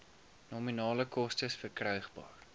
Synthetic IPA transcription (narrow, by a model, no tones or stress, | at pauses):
nɔminɑːləkɔstəsfərkrœɥχbɑ̰ːr